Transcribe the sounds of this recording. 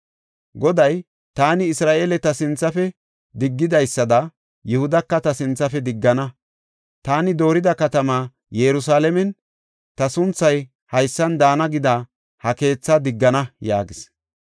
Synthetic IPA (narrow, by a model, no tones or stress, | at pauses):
ɡɔd̪ɐj | t̪aːnɪɪsɾaːʔeːlɛt̪ɐsɪnt͡sːɐfɛ | d̪ɪɡːɪd̪ɐjsːɐd̪ɐ | jʊhʊd̪ɐkːɐt̪ɐsɪnt͡sːɐfɛd̪ɪɡːɐnɐ | t̪aːnɪd̪o̞ːɾɪd̪ɐkɐt̪ɐmaː | jɛɾʊs̬aːlɛmɛn | t̪ɐsʊnt͡sːɐj | hɐjsːɐnd̪aːnɐɡɪd̪ɐ | hɐke̞ːt͡sːɐd̪ɪɡːɐnɐja̰ːɡɪs